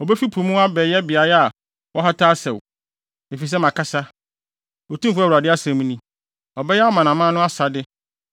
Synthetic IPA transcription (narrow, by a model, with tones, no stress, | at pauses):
ɔ˨bɛ˦fi˦pʰu˨mũ˦a˦bɛː˨jɛ˦bɪ˨a˨jɛ˦a˨ | wɔ˦ɦa˦tʰaː˦sɛ˨w | e˨fi˨s̬ɛ˦mã˨kʰa˦sa˦ | o˨tũ˦m˦fʊ˦a˦˨a˨dɪ˦a˦sɛ̃˨˦mũ˦nĩ˦ | ɔ˨bɛ˦jɛ˦a˦mã˨nã˨mã˦nʊ̃˦a˦sa˨dɪ˦